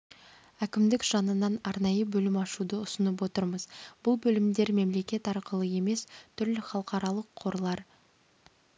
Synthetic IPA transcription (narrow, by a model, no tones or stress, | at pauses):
ækʲɪmd̪ɪkʒ̥ɑnənɑnɑɾnɑjəbɵlɪmɑʃud̪əʊsənəp̬wo̞t̪əɾməzbʊlˠbɵlɪmd̪e̞ɾme̞mle̞kʲe̞t̪ɑɾqəlˠəje̞me̞st̪ʰʏɾlɪχɑlˠəqɑɾɑlˠəqʰːo̞ɾlˠɑɾ